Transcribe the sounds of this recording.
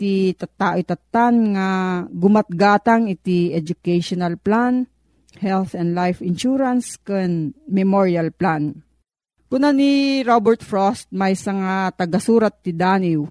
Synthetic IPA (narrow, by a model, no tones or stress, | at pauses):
t̪it̪ɐt̪ːaːʔot̪ɐt̪ːanŋaɡʊmɐt̪̚ɡaːt̪aŋɪt̪iɛd͡ʒʊkɛjʃonɐlplan | hɛlθɛnd̪lajfɪnʃuɾanskɨnmɛmoɹjalplan | kʊnaniɾobɛɹt̪fɹost̪̚mɐjsɐŋat̪ɐɡɐsuːɾat̪̚nɪd̪aːnɪw